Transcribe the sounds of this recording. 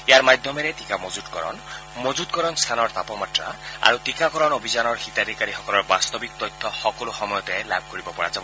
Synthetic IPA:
ejaɹmajd̪ʱjɔmeɾetikamod͡ʒud̪kɔɾɔ̰n | mod͡ʒud̪̚kɔɾɔnst̪ʰanɔɹt̪apɔmatɾa̰a̰ɾutikakɔɾɔnobʱizanɔɹxit̪ad̪ʱikaɾixɔkɔlɔɹbast̪ɔbik̚t̪ɔjt̪ʰːɔxɔkɔluxɔmɔjɔt̪ɔlab̚ʱkoɹibɔpɔɹa̰d͡ʒabɔ

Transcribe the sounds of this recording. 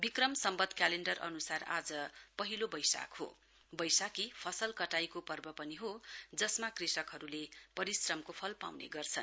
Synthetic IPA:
bikrʌmsʌmbʌd̪ʱkjaleɳɖʌrʌ̰nusara̰d͡zʌpʌɦilobʌjsa̰kɦo̰ | bʌjsakipʰʌsʌlkʌʈajkopʌrbʌpʌniɦod͡zʌsmakrisʌkɦʌɾulepʌɾisrʌmkopʰʌlpa̰wnḛɡʌrt͡sʰʌn

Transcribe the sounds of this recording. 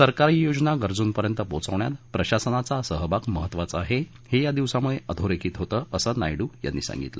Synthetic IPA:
səɾkaɾiːjod͡znaɡəɾd͡zuːnpəɾjənt̪əpot͡səʋɳja̰t̪pɾəɕasənat͡sasəɦəbakməɦət̪ːʋat͡səaɦe | hejad̪iʋsamuɭeʔəd̪ʱoɾekʰiːt̪ɦot̪əːəsəːna̰jɽuːja̰nːḭːsã̰ŋɡḭt̪lə̰

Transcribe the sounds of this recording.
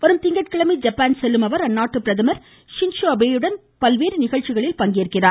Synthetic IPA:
ʋɐɾɯmt̪ɪŋɡɐʈ̚kɪɭɐmid͡ʒɐpːaːnsɛlːɯmɐʋɐɾɐnːaːʈːɯpɪɾɐðɐmɐɾ | ʂɪnʂoɐbeːjɯɽɐn | pɐlʋeːɾnɪɣɐɭt͡ʃːɪɣɐɭɪlpɐŋɡeːɾkɪraː

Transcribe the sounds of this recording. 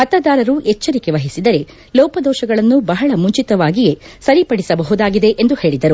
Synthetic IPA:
hɐt̪ɐd̪aːɾɐɾuʔɛt͡ʃːɐɾikeʋɐɦisid̪ɐɾe̞ | lɔːpɐd̪ɔːʃɐɡɐɭɐnːubɐɦɐɭɐmuɲt͡ʃit̪ɐʋaːɡije̞sɐɾipɐɽisɐbɐɦud̪aːɡid̪e̞ʔend̪uhe̞ːɭid̪ɐɾu

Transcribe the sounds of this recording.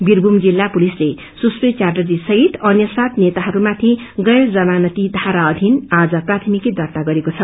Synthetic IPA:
birbʱumd͡zilːapulisle | suspet͡ʃarʈʌrd͡zisʌɦit̪ʌnjʌsat̪net̪aɦʌɾumat̪ʰiɡʌjɾd͡zʌmanʌt̪id̪ʱaɾaʌd̪ʱinad͡zʌprat̪ʰimikid̪ʱʌrt̪aɡʌɾekot͡sʰʌ

